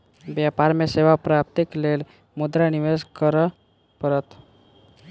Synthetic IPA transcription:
bjapaɾmeseʋapɾap̚t̪ikleːl | mʊd̪ɾaniʋeskəɾ | pəɾət̪

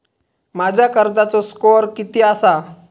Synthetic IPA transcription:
mad͡ʑʱjakəɾd͡zat͡soskoɾkit̪iasa

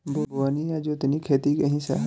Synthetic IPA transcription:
bʱoɡʋaːnijad͡ʒoɪt̪nikʰeːt̪ikɐɦĩsa̰ɦ

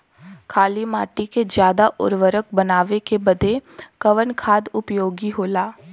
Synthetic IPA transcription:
kʰaːlimaːʈiked͡ʒjaːd̪aʔʊ̰ɾʋəɾək̚bɐnaːʋekebɐd̪ʱekɐʋənkʰaːd̪ʊpjoːɡiɦoːlaː

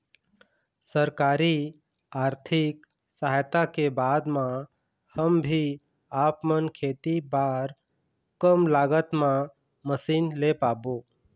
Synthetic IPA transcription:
səɾkaːɾi | aːɾt̪ʰɪk | saɦjt̪akebaːd̪mã | həmbʱi | aːpmənkʰeːt̪ibaːɾ | kəmlaːɡət̪mã | məsiːnlepaːboː

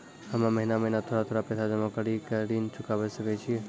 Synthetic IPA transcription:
həmãməɦinaməɦinat̪ʰoɾat̪ʰoːɾapɛsʰad͡ʒəmakəɾikəɾint͡ʃʰʊkaʋɛsəkɛt͡ʃʰi

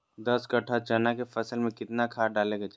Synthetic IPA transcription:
d̪əskɐʈʰat͡ʃɐnakefɐsəlmẽkɪt̪nakʰaːɖaːleɡad͡ʒ

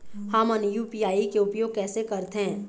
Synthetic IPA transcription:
hɐmənjuːpiːaːikeʊpjoːɡ̚kɛːsekɐɾt̪eɦɛ̃ː

